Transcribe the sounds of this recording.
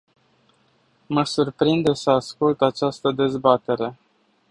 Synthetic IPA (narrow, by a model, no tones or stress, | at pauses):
məsurpɾind̪e̞səaskult̪at͡ʃast̪əd̪e̞zbat̪e̞ɾe̞